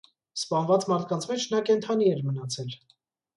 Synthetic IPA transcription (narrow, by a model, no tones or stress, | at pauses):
spɑnvɑt͡smɑɾt̪̚ʰkɑnt͡sʰmɛt͡ʃʰnɑkɛnt̪ʰɑniɛɾmənɑt͡sʰɛl